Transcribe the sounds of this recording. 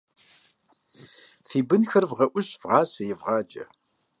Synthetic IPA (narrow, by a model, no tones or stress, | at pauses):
θibənxəɾvʁɐʔʷʊʃv̥ʁɑːsjɪvʁɑːd͡ʒɐ̰